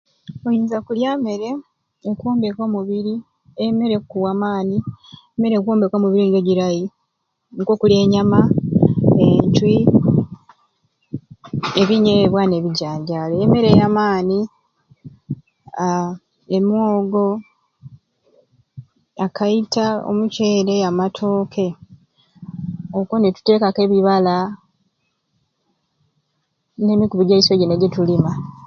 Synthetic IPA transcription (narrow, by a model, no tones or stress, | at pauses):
ojiːnzakuljame̞ɾe̞ː | kuːmbe̞ko̞ːmuβiɾi | eme̞ɾekukuwaːmaːnieme̞ɾekukuːmbeko̞ːmuβiɾiŋɡe̞ɟiɾaji | ŋkoːkule̞ːɲama | eɲt͡ʃwi | eβiɲeeβwane̞βiɟaːɲɟaleːme̞ɾe̞jamaːni | emwoːɡo̞ | akʰaitao̰muce̞ːɾe̞amatʰoːkʰe̞ | okonetu̥te̞ːkake̞βiβala | ne̞ːmikuβiɟaisweɟeneɟetulima